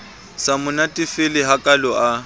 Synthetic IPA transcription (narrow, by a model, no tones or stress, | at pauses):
samʊnatʼɪfɪlɪɦakʼalɔʔa